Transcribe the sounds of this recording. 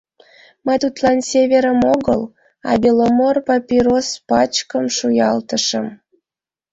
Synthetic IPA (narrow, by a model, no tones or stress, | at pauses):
məjt̪ut̪lɑnsʲeβʲeɾəmoɣəl | ɑ̰bʲilomorpɑpʲiɾospɑt͡ɕkəmʃujɑlt̪əʃəm